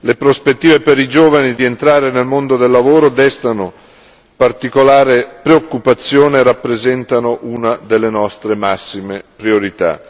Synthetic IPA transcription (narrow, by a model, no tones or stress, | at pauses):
lepɾospet̪ːiːvepeɾid͡ʒoːvanid̪ient̪ɾaːɾenelmond̪od̪elːavoːɾod̪ɛst̪ano | part̪ikolaːɾepɾeokːupat̪sːjoːneɾapːɾezɛnt̪anoʔunad̪elːenɔst̪ɾemasːimepɾioɾit̪a̰